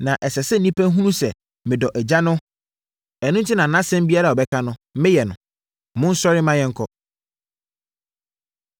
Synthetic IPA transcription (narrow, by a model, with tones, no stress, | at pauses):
nã˨ʔɛ˨sɛ˨sɛ˦n̩˨ĩ˦pʰæ̃˦ɦũ˦nũ˦sɛ˨ | mɪ̃˨dɔ˨ʔɛ˨d͡ʑa˦nʊ̃˦ | ɛ˨nʊ̃˦n̩˦tʰi˦nã˨nã˦sɛ̃˦m˦bi˦a˦ɾa˦˨ɔ˨bɛ˦kʰa˦nʊ̃˦mɪ̃˦jɛ˨nʊ̃˨ | mʊ̃˦n̩˦sɔ˦ɾɪ˦mã˦jɛ̃˦ŋ̩˦kʰɔ˦